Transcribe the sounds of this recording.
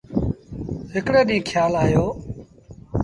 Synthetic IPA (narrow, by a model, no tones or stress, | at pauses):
ɦɪkɽeːɗĩːkʰjaːlaːjoː